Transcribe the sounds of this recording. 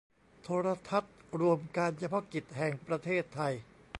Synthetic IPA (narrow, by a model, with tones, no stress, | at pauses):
t̪ʰoː˧ɾa˧t̪ʰa˦˥t̪̚ɾu˧əmkaː˧nt͡ɕʰa˧pʰɔ˦˥ki˨˩t̪̚hɛ˨˩ŋpɾa˧t̪ʰeː˥˩t̪ʰːa˧j